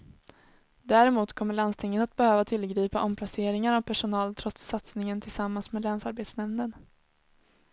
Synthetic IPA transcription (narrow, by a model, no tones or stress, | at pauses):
d̪æːɾɪmuːt̪kʰɔmːəɭanst̪ʰɪŋːənat̪̚bɛhøːvat̪ʰɪlːɡɾiːpaʔɔmpʰlaseːɾɪŋaɾavpʰæʂʊnɑːlt̪ʰɾɔt̪sːat̪snɪŋənt̪ʰɪlsamːansmeːd̪lɛːnsaɾbeːt̪snɛmnən